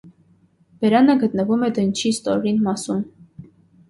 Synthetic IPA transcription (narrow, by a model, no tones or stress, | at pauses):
b̥ɛɾɑnəɡət̪̚nəvumɛd̪ənt͡ʃʰist̪ɔɾɾinmɑsum